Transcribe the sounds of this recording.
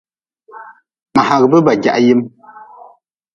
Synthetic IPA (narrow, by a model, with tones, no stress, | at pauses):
ma˨ha˨ɣbə˦ba˨ɡa̰˨ʔji˦m